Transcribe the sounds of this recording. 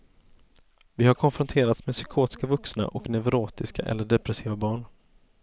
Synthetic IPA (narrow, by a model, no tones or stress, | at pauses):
vɪhaɾkʰɔnfɾɔnt̪ʰeːɾat̪smesʏkʰoːt̪ɪ̥skavɵksna̰ʔɔknɛvɾoːt̪ɪska̰ʔɛ̰lːəɖɛpɾɛsiːvabɑːɳ